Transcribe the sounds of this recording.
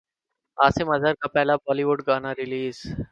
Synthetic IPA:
aːsɪmɐzʱəɾkapɛːlabɔːliʋʊɖɡaːnaɾɪliːz

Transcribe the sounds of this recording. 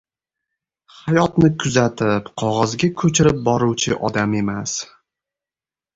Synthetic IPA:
hajɒt̪nɪkʰʊzat̪ʰɪpqʰɒʁɒzɡʲakʰɵt͡ʃʰɪɾɪp̚bɒɾuwt͡ʃʰɪʔɒd̪ame̞mas

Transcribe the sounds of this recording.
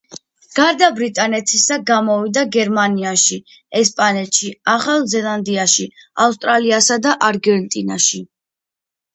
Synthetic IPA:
ɡ̥aɾd̪abɾit̪ʼanɛt̪ʰisaɡamɔvid̪aɡɛɾmaniaʃi | ɛspʼanɛt̪ʃiaχalˠzɛlˠand̪iaʃiaus̬t̪ʼɾaliasad̪aʔaɾɡɛnt̪ʼina̰ʃi

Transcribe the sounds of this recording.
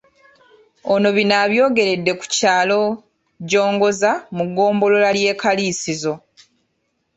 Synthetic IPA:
ono̞βinaːβjo̞ːɡe̞ɾe̞dːe̞ku̥caːlo̞ | ɟo̞ːŋɡo̞zamuɡːo̞ːmbo̞lo̞lalje̞ːkaliːsizo̞

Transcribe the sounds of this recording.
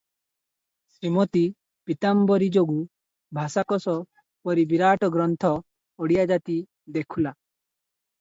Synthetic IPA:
sɾimot̪i | pit̪ambɔɾid͡ʒoɡu | bʱasakɔsɔ | pɔɾibiɾaʈɔɡɾɔnt̪ʰɔ | ɔɽijad͡ʒat̪i | d̪ekʰula

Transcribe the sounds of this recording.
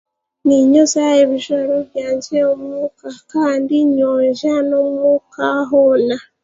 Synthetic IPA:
niɲosajeβiʒaɾoβjaːɲd͡ʒeomukakaːndiɲoːɲʒanomukaɦona

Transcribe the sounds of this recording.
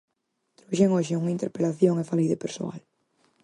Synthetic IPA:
t̪ɾoʃeŋoʃɪuŋaint̪eɾpelaθjoŋefalijðepeɾso̰a̰l

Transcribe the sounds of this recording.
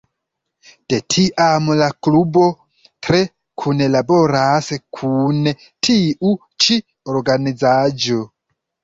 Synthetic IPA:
d̥etʰiʔamlaklubo̞ | tɾe | kʰunelaboɾaskʰune | tʰiʔu | t͡ʃi | oɾɡanid͡zad͡ʒo

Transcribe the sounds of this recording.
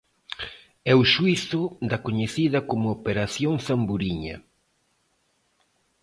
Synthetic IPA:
ɛuʃwiθʊd̪ɐkoɲeθiðɐkomʊopeɾaθjoŋθambuɾiɲɐ̰

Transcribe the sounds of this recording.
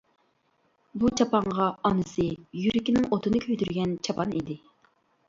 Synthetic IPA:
but͡ʃʰɑpɑɴʁɑɑnɨsɨjyɾɪkʲinɪŋot̪ʰɨnɨkʲʰøjd̪yɾɡʲɛnt͡ʃʰɑpʰɑnḭd̪ɪ

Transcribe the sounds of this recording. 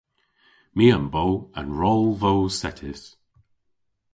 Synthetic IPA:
miːəmbowə̰̃nɹɔːlˠvoːsɛtʰɪs

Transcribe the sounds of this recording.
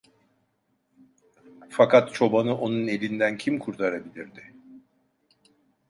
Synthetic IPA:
fakʰat̪t͡ʃʰo̞banɯʔo̞nune̞lʲind̪æncʰimkʰuɾt̪ʰaɾabilʲiɾd̪ɪ

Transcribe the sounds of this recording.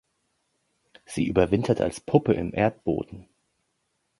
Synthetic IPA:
z̥ḭːʔyːbɐvɪntʰɐtʰa̰lspʰʊpəɪ̰mʔeːɐt̚b̥o̰ːdn̩

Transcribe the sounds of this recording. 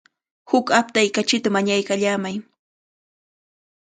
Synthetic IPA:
hʊkap̚t̪ajkat͡ʃɪt̪amaɲajkaʎaːmaj

